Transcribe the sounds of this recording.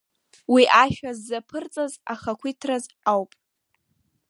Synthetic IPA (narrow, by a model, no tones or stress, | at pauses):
wiʔaʃᶣazːapʰɨrt͡sʼazaχakʷʰitʰraz | awpʼ